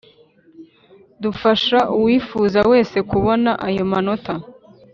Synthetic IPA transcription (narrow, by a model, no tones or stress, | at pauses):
dufaʃaʔuwiːfuːzawe̞ːse̞kuβo̞naʔajo̞mano̞tʰa